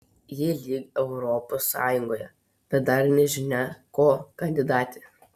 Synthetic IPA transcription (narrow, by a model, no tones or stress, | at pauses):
jɪlʲiːɡɛʊɾɔposːɑ̰ːjʊŋɡoːjɛ̰ | b̥ʲɛt̪̚d̪ɐɾnʲɛʒʲɪnʲɛkoːkɐnʲd̪ʲɪd̪ɑːt̪ʲɪ